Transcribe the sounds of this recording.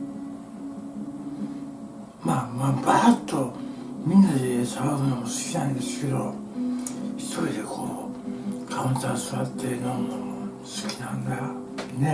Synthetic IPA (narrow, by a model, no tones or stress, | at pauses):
mamabat̪ːomĩnːad̪esaβakɯnomosɨ̥kʲinaĩnd̪e̞sɨ̥ke̞d̪o̞ | çi̥t̪ʰo̞ɾid̪ekʰoː | kʰaũnt̪asoɾat̪ːenonoo | sɨ̥kʲi̥nand̪aa | ne